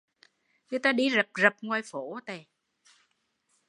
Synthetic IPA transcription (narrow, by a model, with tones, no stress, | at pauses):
ɲɨ˧t̪aː˧ɗi˧zə˨˩p̚zə˨˩p̚ŋwaː˧˩jfo˨˩˦t̪e˨˩